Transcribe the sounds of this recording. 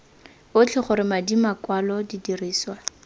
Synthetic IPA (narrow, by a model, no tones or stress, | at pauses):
ʊt͡ɬʰɪχʊɾɪmadimakwalɔdidiriːswa